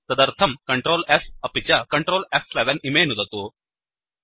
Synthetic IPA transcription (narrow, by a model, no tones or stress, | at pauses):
t̪əd̪əɾt̪ʰəmkəɳʈɾolɛfəpit͡ɕjakəɳʈɾoːlɛflɛʋənimenud̪at̪o